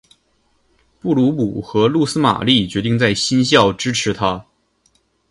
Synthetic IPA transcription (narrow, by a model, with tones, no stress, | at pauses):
pu˥˩lu˧˥pu˨˩xɤ˧˥lu˥˩sɹ̩˥ma̰˨˩li˥˩t͡ɕɥɛ˧˥t̪i˥˧ŋt͡sa˥˩ɪɕi˥nɕ̬jɑ˥˩ʊʈ͡ʂɻ̩˥ʈ͡ʂʰɻ̩˧˥t̪ʰa˥